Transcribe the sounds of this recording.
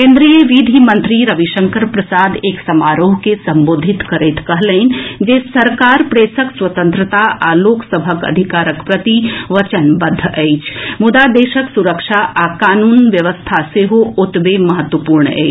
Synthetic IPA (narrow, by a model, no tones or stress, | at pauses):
kẽːnd̪ɾijəʋid̪ʱimɐ̃nt̪ɾiɾɐʋiʃə̃ŋkəɾpɾɐsaːd̪eːksɐmaːɾoːɦkesɐ̃mboːd̪ʱɪt̪kəɾeːt̪kɐɦlẽɪnd͡ʒeːsɐɾkaːɾpɾeːsəkswɐt̪ə̃nt̪ɾət̪aʔaːloːksəbʱəkɐ̰d̪ʱikaːɾəkpɾɐt̪iʋɐt͡ʃənbɐd̪ʱːəɛːt͡ʃmʊd̪ad̪eːʃəksuɾəkʃaʔaːkaːnuːnʋjɐʋəst̪ʰaseɦoʊt̪bemɐɦət̪wəpuːɾɳɛ̰ː